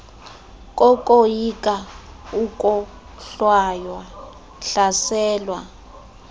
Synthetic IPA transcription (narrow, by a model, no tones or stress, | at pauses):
kʼɔkʼojikʼa | ukʼɔ | ɬwajwa | ɬasɛːlwa